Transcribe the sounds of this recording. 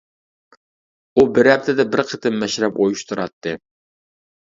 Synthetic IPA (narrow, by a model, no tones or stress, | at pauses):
ubɪɾæp̚t̪ʰɪd̪ɛbɪɾqʰət̪ɪmːæʃɾæpojuʃt̪ʰuɾɑt̪ːɨ